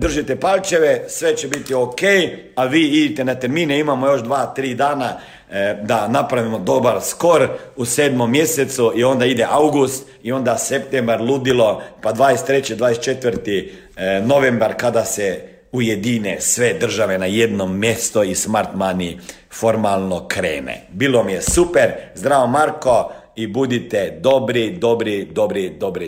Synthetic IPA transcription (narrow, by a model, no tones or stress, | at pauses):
d̪r̩ʒit̪epalʲt͡ʃe̞ʋesʋet͡ɕebit̪iokej | aʋiːid̪it̪enat̪eɾmiːneimamojo̞ʃd̪ʋaːt̪ɾiːd̪aːna | d̪anapɾaʋimod̪o̞baɾsko̞ɾuseːd̪mo̞mːje̞set̪suio̞nd̪aid̪eʔawɡust̪ | io̞nd̪asept̪embaɾlˠud̪ilo̞pad̪ʋaːjest̪ːɾe̞t͡ɕed̪ʋaːjest̪t͡ʃe̞t̪ʋəɾt̪i | no̞ʋembaɾkad̪asɛ | ujed̪inesʋed̪r̩ʒaʋenajed̪nomːjest̪oismaɾt̪mani | fo̞ɾmalˠnokɾeːnḛbilˠomijesupeɾzd̪ɾaːʋomaɾko̞ | ibud̪it̪ɛd̪o̞bɾid̪o̞bɾid̪o̞bɾid̪o̞bɾi